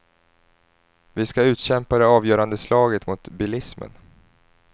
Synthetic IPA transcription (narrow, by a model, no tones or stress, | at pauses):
vɪskaʉ̟ːt̪ɕɛmpad̪ɛɑːvjœːɾand̪əslɑːɡət̪mʊt̪bɪlɪsmə̰n